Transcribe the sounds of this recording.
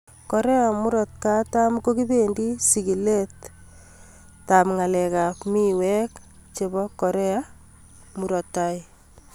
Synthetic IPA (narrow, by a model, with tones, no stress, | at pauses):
ko˨ɾe˦amu˦ɾɔ˨t̚kata˦mko˦ki˦bendi˦siɡi˨le˦t | amŋa˨lɛka˨pmiwɛk | t͡ʃe˨bɔko˨ɾe˦a | mu˨ɾɔ˨tːaj